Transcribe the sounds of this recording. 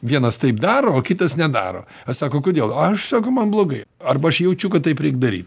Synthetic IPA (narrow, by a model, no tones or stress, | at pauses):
ʋʲiɛnɐst̪ɐɪpd̪ɑːɾoːoːkʲɪt̪ɐsnʲɛd̪ɑ̰ːɾo̰ː | ɐsɑːkoːkoːd̪ʲeːlˠɐɐʃsɑːkɐʊmɐnblˠoːɡɐɪ | ɐrbɐɐʃjɛʊt͡ʃʲʊkɐt̪t̪ːɐɪpɾʲɛɪkd̪ɐɾʲḭːt̪